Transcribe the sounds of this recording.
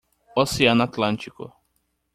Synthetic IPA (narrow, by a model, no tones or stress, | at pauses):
oseãnat̪lãnt͡ʃ̪ikʊ̰